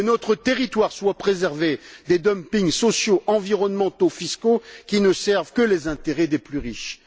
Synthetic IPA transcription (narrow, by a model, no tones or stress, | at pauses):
nɔt̪χət̪eʁit̪waʁswapχezɛʁved̪ed̪ɔmpiŋsɔsjoʔɑ̃viʁɔnmɑ̃t̪ofiskokʲinəsɛʁvkəlezɛ̃t̪eʁɛd̪eplyʁiʃ